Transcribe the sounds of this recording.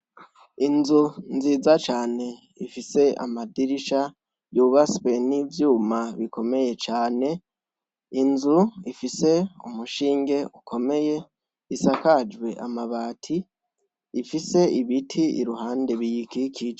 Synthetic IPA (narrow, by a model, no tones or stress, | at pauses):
inzunziːzat͡ʃaːne̞ | ifise̞a̰madiɾiʃa | juβaspe̞nivjuːmaβikʰo̞me̞je̞t͡ʃaːne̞ | inzuifise̞umuʃiːŋɡe̞ukʰo̞me̞je̞ | isakad͡ʒwe̞ʔamaβaːtʰiː | fise̞iβitʰiḭɾuɦaːnde̞βijikikʰid͡ʒa